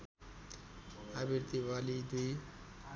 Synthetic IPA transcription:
abiɾt̪ibalid̪uj

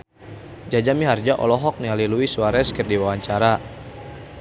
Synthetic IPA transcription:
d͡ʒad͡ʒamiɦard͡ʒaʔɔ̰lɔɦɔk̚nialiluisuaɾɛskərdiwawaɲt͡ʃaɾa

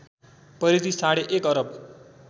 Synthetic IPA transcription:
pʌɾid̪isaɽeʔekʌɾʌb

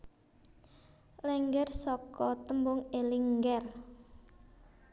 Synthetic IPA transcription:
lɛŋɡɛrsɔkɔt̪əmbʊŋeliŋɡɛr

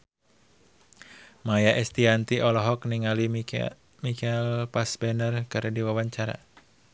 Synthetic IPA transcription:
majaʔɛst̪iant̪iʔɔlɔɦɔkniŋali | mikɛlpasbɛnərkɨɾɛdiwawaɲt͡ʃaɾa̰

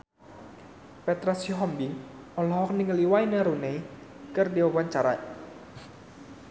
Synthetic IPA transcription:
pɛt̪ɾasuɦɔmbi | ɔlɔɦɔk̚niŋəliwainəɾunei | kɨrdiwawaɲt͡ʃaɾa̰

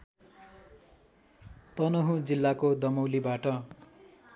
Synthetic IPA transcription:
t̪ʌnoɦũd͡zilːakod̪ʌmʌwlibaʈʌ

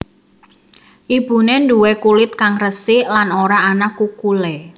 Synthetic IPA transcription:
ʔib̥ṳnenduwɛkulɪt̪̚kaŋrəsɪlanoɾaːnakukulɛ

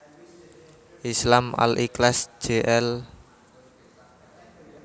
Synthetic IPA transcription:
ʔislama̰lʔiklasd͡ʒ̥eʔɛl

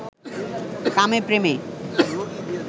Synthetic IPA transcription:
kamepɾeme

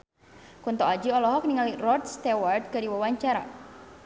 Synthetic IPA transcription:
kunt̪ɔad͡ʒiɔlɔɦɔk̚niŋalirɔrt̪̚st̪award̪̚kaɾiwawaɲt͡ʃaɾa̰

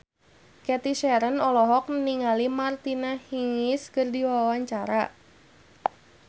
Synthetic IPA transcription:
kɛt̪iʃɛɾənɔlɔɦɔk̚nniŋalimart̪inahiŋɪskərdiwawaɲt͡ʃaɾa

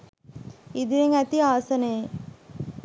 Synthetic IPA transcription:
id̪iʋeŋæt̪iaːsɐneː

